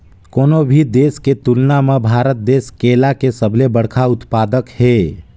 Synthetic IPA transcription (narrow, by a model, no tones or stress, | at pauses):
koːnobʱid̪eːsket̪ʊlnamẽbʱaːɾət̪̚d̪eːskeːlakesəbʱlebəɽkʰaʊt̪paːd̪əkhɛː